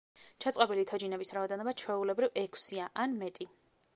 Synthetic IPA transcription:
t͡ʃʰat̪sʼqʼɔbilit̪ʰɔd͡ʒinɛbisɾaɔd̪ɛnɔbat͡ʃʰwɛulɛbɾivɛkʰsiaʔanmɛt̪ʼi

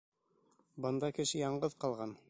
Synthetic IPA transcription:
bɤ̆nd̪ɑkɘ̆ʃɘjɑɴɢɤðqɑlˠʁɑn

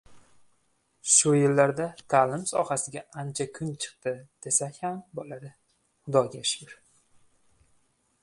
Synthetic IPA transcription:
ʃʊjɪlːaɾd̪at̪ʰaːlɪmsɒ̰hasɪɡʲaant͡ʃʰakʰʊnt͡ʃʰɨ̥q̚t̪ɪd̪̥e̞sakʲhambɒlaɾɪ | χʊd̪ɒɡʲaʃʊɾ

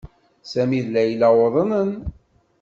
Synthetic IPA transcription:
sæmiðlːæjlæwəðˤənən

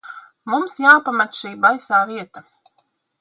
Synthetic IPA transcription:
mumsjaːpamat̪ʃiːbajsaːviɛt̪a

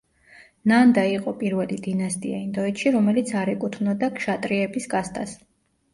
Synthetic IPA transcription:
nand̪aiqʼɔpʼiɾvɛlid̪inast̪ʼḭaind̪ɔɛt̪ʃiɾɔmɛlit̪sʰaɾɛkʼut̪ʰvnɔd̪akʃat̪ʼɾiɛbisɡast̪ʼas

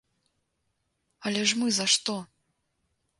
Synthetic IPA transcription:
ɐlʲɛʐmɨzɐʂt̪ɔ

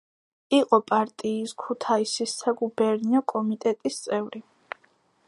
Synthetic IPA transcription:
iqʼɔpʼaɾt̪ʼiːskʰut̪ʰaisisːaɡubɛɾniɔkʼɔmit̪ʼɛt̪ʼist̪sʼɛvɾi

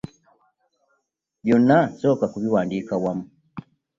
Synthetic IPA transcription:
bjɔnasɔkakuviwaːndikawamu

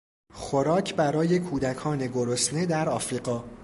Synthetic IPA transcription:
xo̞ɾɒːcʰbæɾɒːje̞kʰuːd̪ækʰɒːne̞ɡo̞ɾosne̞d̪æɾɒːfɾiːɢɒː

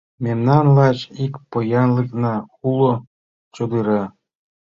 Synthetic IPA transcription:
mʲemnɑnlɑt͡ɕikpojɑnlˠɯknɑulˠŏ | t͡ɕod̪ɯɾɑ

